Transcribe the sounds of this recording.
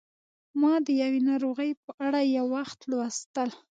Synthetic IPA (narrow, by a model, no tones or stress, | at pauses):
mɑd̪əjawenɑɾoɣəjpəʔaɽajawːaxt̪lwast̪əl